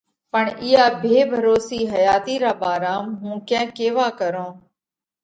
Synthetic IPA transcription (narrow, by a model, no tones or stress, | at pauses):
pəɳɪjaːbʱeːbʱəɾoːsiːɦəjaːt̪iːɾaːɓaːɾaːmɦũːkɛ̃ːkeːʋaːkəɾõː